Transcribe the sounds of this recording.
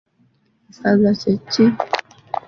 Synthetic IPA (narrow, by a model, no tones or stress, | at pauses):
sazat͡ʃɛt͡ʃi